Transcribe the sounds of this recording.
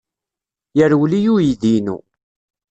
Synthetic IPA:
jəɾwlijujiðinṵ

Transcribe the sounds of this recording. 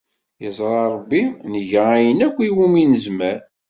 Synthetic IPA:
jəzˤɾˤɑɾˤəbːinəʝææjənækʷːiwuminəzmæɾ

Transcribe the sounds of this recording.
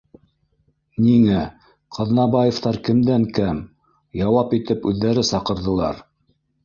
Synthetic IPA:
niŋæ | qʰɑ̆ðnɑbɑjĕft̪ɑɾkɘ̆md̪æŋkæm | jɑwɑpit̪ɘpʉðːæɾɘsɑqɤ̆ɾðɤ̆lˠɑ̰ɾ

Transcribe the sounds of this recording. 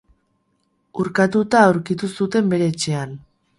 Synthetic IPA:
uɾkat̪ut̪aːuwɾkit̪usut̪e̞mbe̞ɾe̞ːt͡ʃe̞an

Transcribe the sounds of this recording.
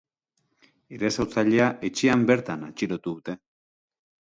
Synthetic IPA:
iɾe̞sawt͡saʎe̞aʔe̞t͡ʃeambe̞ɾt̪ana̰t͡ʃiɾo̞t̪uðut̪e̞

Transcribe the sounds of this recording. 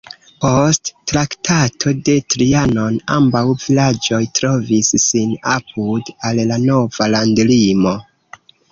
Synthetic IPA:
po̞stːɾaktʰatʰo̞de̞tɾiano̞na̰mbawvilad͡ʒo̞jtɾo̞visːinapudallano̞valandlimo̞

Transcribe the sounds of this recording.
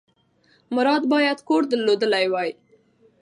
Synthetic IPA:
mʊɾɑd̪bɑjad̪koɾd̪əlːod̪əlajwɑj

